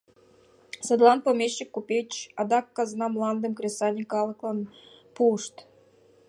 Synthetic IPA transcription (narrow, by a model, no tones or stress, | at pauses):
səd̪lˠɑnpomʲeɕːikːupʲet͡ɕɑd̪ɑkːɑznɑmlˠɑnd̪ə̆mkrʲesɑnʲikɑlˠɤ̆klˠɑn | puʃt̪